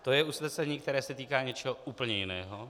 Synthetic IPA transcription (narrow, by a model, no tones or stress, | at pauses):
t̪ojɛʔuslɛsɛɲiːk̚t̪ɛɾɛːsɛt̪iːkaːɲɛt͡ʃɛɦoʔuːpl̩ɲɛjɪnɛ̰ːɦo